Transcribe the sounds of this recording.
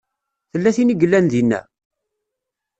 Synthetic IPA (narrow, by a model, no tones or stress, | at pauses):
θəlːæθiniɡəlːænðinːæ̰